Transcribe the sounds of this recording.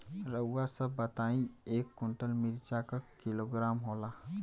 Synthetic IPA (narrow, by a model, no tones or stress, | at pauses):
ɾəwwasəbət̪aĩekːuɳʈəlmiɾt͡ʃakəkiloɡɾamɦola